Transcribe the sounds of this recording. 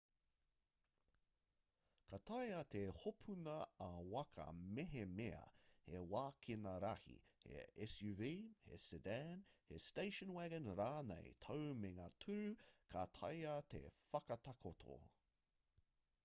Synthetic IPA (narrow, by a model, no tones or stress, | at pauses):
kʰat̪ʰɐjɐt̪ʰehopʰunɐːwɐkʰɐ̰meɦemeɐ̰hewaːkʰinɐɾɐhḭhḛɛsjuviːhḛsudænhḛsteɪʃənwɛɡə̃nɾaːnḛjt̪ʰowmeŋaːtʰʉɾʉkʰɐt̪ʰɐ̰jɐt̪ʰḛfɐkɐt̪ʰɐkʰot̪ʰo̰